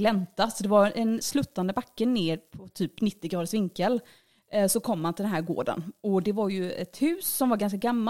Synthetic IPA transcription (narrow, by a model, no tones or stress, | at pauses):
lɛmt̪asɔd̪ɛvaɾɛnslʉːt̪ːand̪əbakːəneːɾpʰɔt̪ʰyːpnɪt̪ːɪɡɾɑːd̪əʂvɪŋkːəl | sɔkʰɔmːanɪld̪ɛnɦæːɾɡo̰ːɖə̰nɔd̪ɛvaɾjɵɛt̪hʉ̟ːsːɔmvaɾɡans̬kaɡamːa